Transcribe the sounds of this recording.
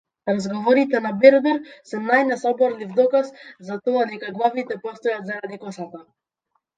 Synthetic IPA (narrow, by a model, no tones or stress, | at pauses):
ɾazɡɔvɔɾit̪ɛnabɛɾd̪ɛɾsɛnajnɛsɔbɔɾlivd̪ɔkaszat̪ɔad̪ɛkaɡlˠavit̪ɛpɔst̪ɔjat̪zajad̪ɛkɔsat̪a